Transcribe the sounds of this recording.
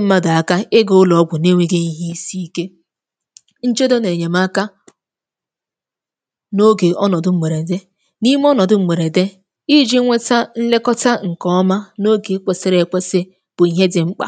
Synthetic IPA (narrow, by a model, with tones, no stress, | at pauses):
m̩˦ma˦da˨a˨ka˦ɪ˦ɡo˦ʊ˦lɔ˨˦ɡʷʊ˨ne˦ŋʷe˦ɡe˦i˦ɦi˦si˦i˦ke˦ | n̩˦t͡ʃo˦do˦ne˨ɲe˨m˦a˦ka˦ | no˦ɡe˨ʔɔ˦nɔ˨dʊ˨ŋ͡m̩˨me˨ɾe˨de˦ | ni˦m˦ɔ˦nɔ˨dʊ˦m̩˨me˨ɾe˨de˦ | i˦d͡ʒi˦ŋʷe˦ta˦n̩˦le˦kɔ˦ta˦ŋ̩˨kɔ˦ma˦no˦ɡe˨˦k͡pe˨se˦ɾe˨k͡pe˦sɪ˦ | b̥ʊ˨i˨ɦe˦dɪ˨ŋ͡m̩˦k͡pa̰˨